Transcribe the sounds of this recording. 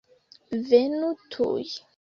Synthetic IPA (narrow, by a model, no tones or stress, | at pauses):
venutʰṵj